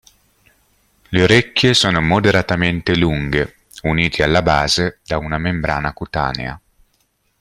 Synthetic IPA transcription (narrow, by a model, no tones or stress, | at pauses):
leoɾekːjesoːnomod̪eɾat̪ament̪eluŋɡe | uniːt̪ʰealːabaːzed̪aunamembɾaːnakut̪a̰ːnḛa̰